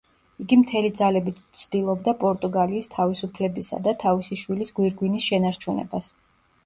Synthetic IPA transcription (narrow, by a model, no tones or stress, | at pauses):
iɡimt̪ʰɛlid̪zalɛbit̪ʰt̪sʰd̪̥ilˠɔbd̪apʼɔɾt̪ʼuɡaliːst̪ʰavisupʰlɛbisa̰d̪at̪ʰavisiʃwilisɡwiɾɡwinisʃɛnaɾt͡ʃʰunɛ̰bas